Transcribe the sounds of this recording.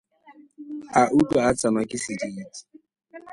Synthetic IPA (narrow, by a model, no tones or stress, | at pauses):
aʔukaat͡sanɔkɪsiditi̥